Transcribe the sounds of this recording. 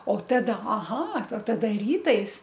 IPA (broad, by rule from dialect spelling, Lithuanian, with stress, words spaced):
oː ˈtɑːdɐ ɐˈɣɐ oː ˈtɑːdɐ ˈrʲiːtɐɪs